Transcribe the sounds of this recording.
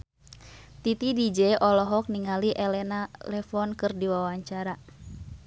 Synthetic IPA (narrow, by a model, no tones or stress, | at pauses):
t̪it̪idid͡ʒɛʔɔlɔɦɔk̚niŋaliʔɛlɛnalɛfɔnkɨrdiwawaɲt͡ʃaɾa